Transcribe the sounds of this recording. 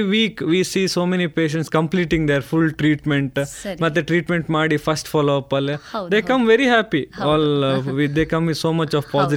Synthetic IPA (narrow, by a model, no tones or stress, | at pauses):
ʋiːkʋiːsiːsoːmenipeːʃ̬ɛ̃ɳʈskɐ̃mpliːʈĩŋɡd̪eɾfulʈɾiːʈmẽɳʈmɐt̪ːeʈɾiːʈmẽɳʈmaːɽifɐsʈfɔːloɐpɐled̪eːkɐ̃mʋeɾiɦæːpiɔːlʋid̪eːkɐ̃mʋisoːmɐt͡ʃɔʋpɔːzi